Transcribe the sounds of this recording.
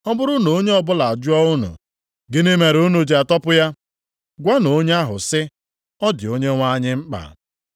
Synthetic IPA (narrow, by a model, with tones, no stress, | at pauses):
ɔ˦bʊ˦ɾʊ˦no˨o˦ɲe˦ɔ˨bʊ˦la˨a˨d͡ʒʊ˦ɔ˦ʊ˦nṵ˨ | ɡɪ˦ne˦me˨ɾu˦nu˨d͡ʒe˨a˨tɔ˦pʊ˦ja˦ | ɡʷa˦no˨˦ɲe˦a˦ɦʊ̰˨sɪ˦ | ɔ˦dɪ˨o˦ɲe˦ŋʷa˦ɲɪ˦ŋ͡m̩˦k͡pa̰˨